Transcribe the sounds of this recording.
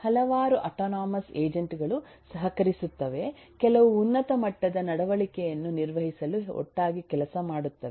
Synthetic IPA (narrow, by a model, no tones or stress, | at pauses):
hɐlɐʋaːɾuʔɐʈoːnaːmɐseːd͡ʒɐɳʈɡɐɭu | sɐɦɐkɐɾisut̪ːɐʋe̞kɛlɐʋuːnːɐt̪ɐmɐʈːɐd̪ɐnɐɽɐʋɐɭikɛjɐnːuniɾʋɐɦisɐluɔ̰ʈːaːɡikɛlɐsɐmaːɽut̪ːɐʋ